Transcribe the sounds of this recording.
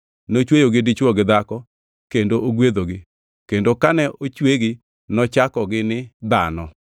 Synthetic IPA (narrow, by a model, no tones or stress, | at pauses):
not͡ʃwejoɡɪdɪt͡ʃwɔɡɪd̪akɔ | kendooɡwed̪oɡɪ | kendokanɛʔot͡ʃweɡɪ | nɔt͡ʃakɔɡɪnɪd̪anɔ